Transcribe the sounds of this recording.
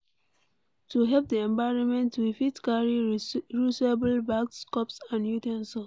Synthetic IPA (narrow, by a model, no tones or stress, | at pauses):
tuɦɛlp̚diɛ̃mbaɪɹɔ̃nmɛ̃ntwifitkaɹiɹuseblbakskɔpsãndjutɛ̃nsɔ